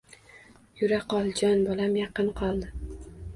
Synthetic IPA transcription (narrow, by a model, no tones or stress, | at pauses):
jʊɾaqɒlˠd͡ʒɒnbɒlamjɑqɨnqʰɒlˠd̪ɪ